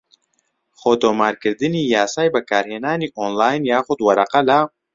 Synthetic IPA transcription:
xoːt̪oːmaːɾkɨɾd̪ɨniːjaːsaːjbɐkaːɾheːnaːniːʔoːnlaːjnjaːxʊd̪wɐɾɐqɐla

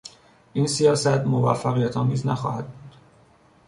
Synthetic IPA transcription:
ʔinsijɒːsæt̪movæ̰fːæɣijæt̪ʰɒːmiːznæxɒ̰ːhæd̪̚buːd̪̥

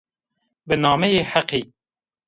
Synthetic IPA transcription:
bɨnɑːmɛjeːħaqiː

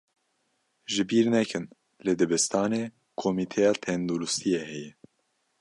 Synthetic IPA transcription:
ʒɨbiːɾnɛkʰɨn | led̪ɨbɛst̪ʰɑːneː | kʰomit̪ʰɛjɑːt̪ʰɛnd̪uɾust̪ʰijɛhɛjɛ

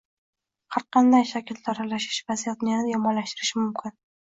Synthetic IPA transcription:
haɾqʰɑnd̪ajʃakʲʰɪlt̪ʰɾalaʃɪ̥ʃvazijat̪njanjɒmɒnlaʃt̪ɪɾɪʃɪmʊmkʲʰɪn

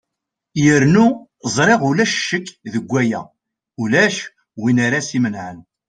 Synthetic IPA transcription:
jəɾnuzˤɾˤeʁʊlæʃʃːəkːðəɡʷːæjæ̰ | ulæʃ | winaɾasimənʕən

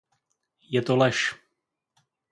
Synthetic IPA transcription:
jɛt̪olɛʃ

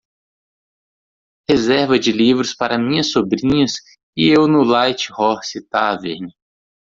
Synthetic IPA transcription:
hezɛɾvɐd͡ʒɪlivɾʊspaɾɐmĩɲɐsobɾĩɲɐs | ɪewnʊlajt͡ʃɪ̥hɔɾsit̪aveɾnɪ

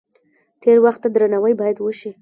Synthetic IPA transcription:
t̪eɾwaxt̪ːad̪ɾanawəjbɑjad̪wəʃi

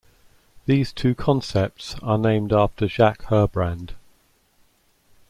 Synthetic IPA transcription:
ðiːz̥tʰʉːkʰɒ̃nsɛp̚tsənẽɪ̃mdɑˑftəʒakhɜːbɹãnd̥

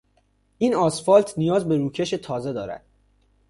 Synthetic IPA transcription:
ʔiːnɒːsfɒːlt̪ʰnijɒːzbe̞ɾuːcʰe̞ʃe̞t̪ʰɒːze̞d̪ɒːɾæ̰d̪̥

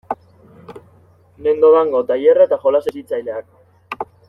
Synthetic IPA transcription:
ne̞nd̪oðaŋɡo̞t̪ajeraet̪axo̞lasesit͡sajleak

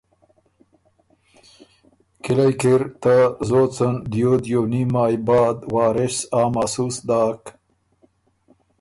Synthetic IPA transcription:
kilajkiɾt̪azoːt͡sənd̪jod̪joːnimaːjbɑːd̪waːɾɪsaːmasusd̪aːk

